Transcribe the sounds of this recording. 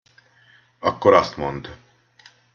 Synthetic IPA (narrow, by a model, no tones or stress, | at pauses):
ɒkːoɾɒst̪mond̪